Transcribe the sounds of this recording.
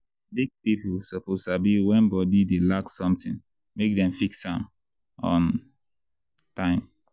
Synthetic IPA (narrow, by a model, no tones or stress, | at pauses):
bik̚pipusɔposabiwɛ̃nbɔdidelaksɔ̃mtĩn | mek̚dɛ̃mfiksãm | ɔ̰̃n | tãɪ̃m